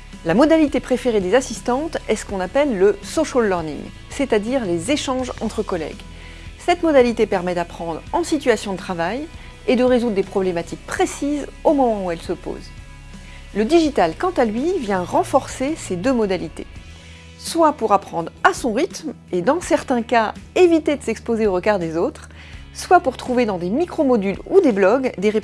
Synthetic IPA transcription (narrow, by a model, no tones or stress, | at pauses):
lamɔd̪alit̪epχefeʁed̪ezasist̪ɑ̃t̪ɛsə̥kɔ̃napɛlːəsoʃolːœʁnḭ̃ŋ | set̪ad̪iʁlezeʃɑ̃ʒɑ̃t̪χəkɔlɛ̰ɡ | sɛt̪mɔd̪alit̪epɛʁmɛd̪apχɑ̃d̪ʁɑ̃sit̪ɥasjɔ̃d̪ət̪χavaj | ed̪əʁezud̪ʁd̪epχɔblemat̪ik̚pχesizomɔmɑ̃uɛlsəpo̰z | ləd̪iʒit̪alkɑ̃t̪alɥivjɛ̃ʁɑ̃fɔʁsesed̪ømɔd̪alit̪ḛ | swapuʁapχɑ̃d̪ʁasɔ̃ʁit̪m | ed̪ɑ̃sɛʁt̪ɛ̃kaevit̪ed̪əsɛkspozeoʁəɡaʁd̪ezot̪χ | swapuʁt̪χuved̪ɑ̃d̪emikχɔmɔd̪ylud̪eblɔɡd̪eʁe